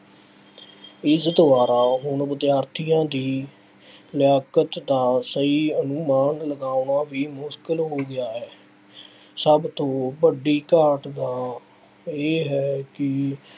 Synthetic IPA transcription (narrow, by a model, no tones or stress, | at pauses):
ɪzət̪ʋaːɾaːɦʊɳʋəd̪ɪjaːɾt̪ʰijãːd̪iː | lɪjaːkət̪d̪aːsəiːənʊmaːnləɡaːʊɳaːʋiːmʊʃkəlɦoːɡɪjaːɦɛː | səbt̪õːbəɖiːkəɾʈd̪aː | eːɦɛːkɪ